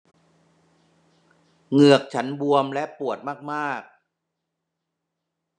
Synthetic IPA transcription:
ŋɯ˨˩ək̚t͡ɕʰa˦˥nbu˧əmlɛ˦˥ʔpu˨˩ət̪̚maː˥˩k̚maː˥˩k̚

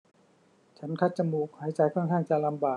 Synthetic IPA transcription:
t͡ɕʰa˦˥nkʰa˦˥t̪̚t͡ɕa˧muː˧˩k̚haː˩˦jt͡ɕa˧jkʰɔː˥˩ŋkʰaː˥˩ŋt͡ɕa˧˨la˧mbaː˨˩

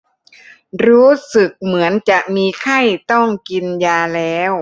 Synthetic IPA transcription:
ɾuː˦˥sɯ˨˩k̚mɯ˩˦ənt͡ɕa˨˩ʔmiː˧kʰa˥˩jt̪ɔ˥˩ŋki˧njaː˧lɛː˦˥w

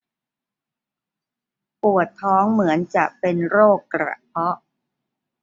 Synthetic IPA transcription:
pu˨˩ət̪ʰːɔː˦˥ŋmɯ˩˦ənt͡ɕa˨˩ʔpe˧nɾoː˥˩kːɾa̰˨˩pʰɔ˦˥ʔ

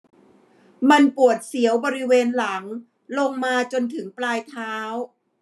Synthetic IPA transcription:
ma˧npu˨˩ət̪̚si˩˦əwbɔː˧ɾi˦˥weː˧nla˩˦ŋ | lo˧ŋmaː˧t͡ɕo˧nt̪ʰɯ˩˦ŋplaː˧jt̪ʰaː˦˥w

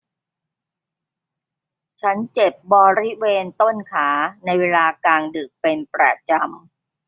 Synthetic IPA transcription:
t͡ɕʰa˦˥nt͡ɕe˨˩p̚bɔː˧ɾi˦˥weː˧nt̪o˥˩nkʰaː˩˦na˧jweː˧laː˧kaː˧ŋdɯ˨˩k̚pe˧npɾa̰˨˩t͡ɕa˧m

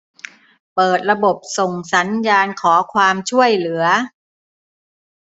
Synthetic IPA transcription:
pɤː˨˩t̪̚ɾa˧bo˨˩p̚so˨˩ŋsa˩˦njaː˧nkʰɔː˩˦kʰwaː˧mt͡ɕʰu˥˩əjlɯ˩˦ɐ

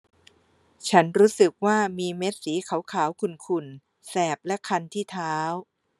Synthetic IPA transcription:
t͡ɕʰa˦˥nɾuː˦˥sɯ˨˩k̚waː˥˩miː˧me˦˥t̪̚siː˩˦kʰa˨˦wkʰaː˩˦wkʰu˧nkʰu˧˩n | sɛː˨˩p̚lɛ˦˥kʰa˧nt̪ʰiː˥˩t̪ʰaː˦˥w

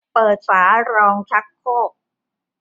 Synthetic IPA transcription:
pɤː˨˩t̪̚faː˩˦ɾɔː˧ŋt͡ɕʰa˦˥kʰːoː˥˩k̚

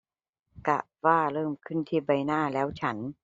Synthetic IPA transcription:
ka˧˩ | waː˥˩ɾɤː˥˩mkʰɯ˥˩nt̪ʰiː˥˩ba˧jnaː˥˩lɛː˦˥wt͡ɕʰa˦˥n

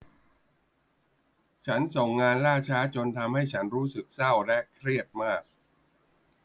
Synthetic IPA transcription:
t͡ɕʰa˦˥nso˨˩ŋːaː˧nlaː˥˩t͡ɕʰaː˦˥t͡ɕo˧nt̪ʰa˧mha˥˩jt͡ɕʰa˦˥nɾuː˦˥sɯ˨˩k̚sa˥˩wlɛ˦˥kʰɾi˥˩ət̪̚maː˥˩k̚

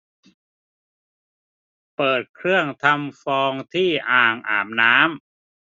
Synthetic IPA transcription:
pɤː˨˩t̪̚kʰɾɯ˥˩əŋt̪ʰa˧mfɔː˧ŋt̪ʰiː˥˩ʔaː˨˩ŋʔa̰ː˨˩mnaː˦˥m

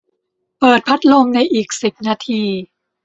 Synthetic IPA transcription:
pɤː˨˩t̪̚pʰa˦˥t̪̚lo˧mna˧jʔiː˨˩k̚si˨˩p̚naː˧t̪ʰiː˧

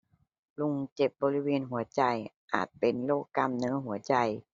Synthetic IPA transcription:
lu˧ŋt͡ɕe˨˧˩p̚bɔː˧li˦˥˧weː˧nɦu˨˩˦ɐt͡ɕa˧jʔa̰ː˨˩t̪̚pe˨˩nloː˥˩kːa˧˥˨mnɤː˧˥ɦu˩˦ɐt͡ɕa˧j

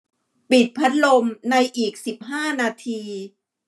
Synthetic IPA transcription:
pi˨˩t̪̚pʰa˦˥t̪̚lo˧mna˧jʔiː˨˩k̚si˨˩p̚ɦaː˥˩naː˧t̪ʰiː˧

